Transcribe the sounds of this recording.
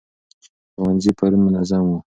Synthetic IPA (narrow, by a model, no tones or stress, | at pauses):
xʊwanzipaɾimʊnazamwu